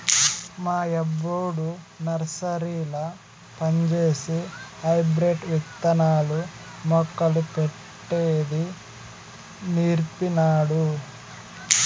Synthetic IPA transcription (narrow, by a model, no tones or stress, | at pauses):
maːɛbːoːɽu | nɐɾsɐɾiːlɐ | pɐɲd͡ʒeːsihɐjbɾeʈʋit̪ːɐnaːlu | mɔkːɐlupe | ʈːeːd̪i | niːɾpinaːɽu